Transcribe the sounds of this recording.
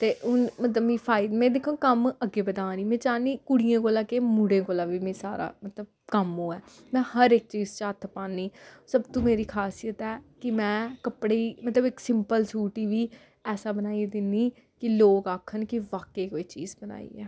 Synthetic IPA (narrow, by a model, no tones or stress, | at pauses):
t̪eːʔʊnmət̪ləbmĩːpʰaːid̪mɛ̃ːd̪ekʰːõːkəməɡeːbəd̪ãːniːmɛ̃ːt͡ʃaːniːkʊɽɪjãːkoːlãːkeːmuɽẽːkoːlãːʋiːmẽːsaːɾa̰ːmət̪ləb̚ | kəmõːɛː | mɛ̃ːhəɾɪk̚t͡ʃiːzt͡ʃaːt̪ʰpaːnːiːsəbt̪õːmeːɾiːkʰaːsijət̪ɛːkɪmɛ̃ːkəpɽeːmət̪ləbɪksɪmpəlsuːʈiːʋiː | ɛːsaːbənaːiːd̪ɪniː | kɪloːkaːkʰənkɪʋaːkeːkoiːt͡ʃḭːzbəna̰ːḭːɛ̰ː